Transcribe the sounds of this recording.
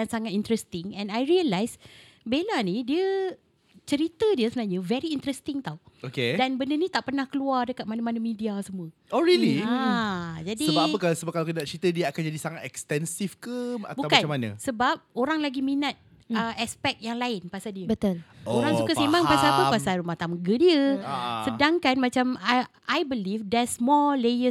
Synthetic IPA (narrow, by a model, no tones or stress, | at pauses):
dansaŋat̪̚int̪ɾɛst̪ɪŋɛ̃najɹiəlajs | belanidiə | t͡ʃəɾit̪ədiəsəənaɲəvɛɾiint̪ɾɛst̪ɪŋt̪awokedanbəndənĩt̪aʔpərnahkəluardəkat̪̚manamanəmĩdiasəmũəoɹiliad͡ʒadisbaəkasəbap̚kalakəatt͡ʃəɾit̪ədiəakand͡ʒadisaŋat̪ɛkst̪ɛnsifkəa̰t̪buawkaamanə̰̃səbap̚oɾaŋlaɡiminat̪̚ | əɛspɛk̚t̪̚jaŋlaɪnpasaldiəbət̪oloɾaŋsukasemãŋpasaapəpasalɾumaht̪aməɡədiəsədaŋkanmãt͡ʃama | ajbəlifdɛsmɔlejə